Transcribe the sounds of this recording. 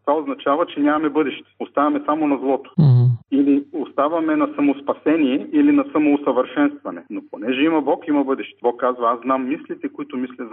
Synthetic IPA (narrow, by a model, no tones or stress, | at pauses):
t̪vaoznɐt͡ʃavɐt͡ʃɛnʲamɐmɛbɤd̪ɛʃt̪ɛ̥ost̪avɐmɛsamonɐzlˠɔt̪o̥iliost̪avɐmɛnɐsɐmospɐsɛniɛʔilinɐsɐmoːsɐvəɾʃɛnst̪vɐnɛ̰noponɛʒɛimɐbɔkimɐbɤd̪ɛʃt̪ɛ̥bɔkːazvɐazznamːislit̪ɛkoit̪omislʲɐz